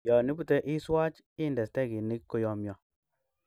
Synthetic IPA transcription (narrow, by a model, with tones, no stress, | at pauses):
jɔ˨ni˦bu˦˨te˦ʔi˦swa˦t͡ʃ | ɪ˦ndɛ˨stɛ˦˨ki˨ni˦kkːo˨˦jɔ˨˧mjɔ˨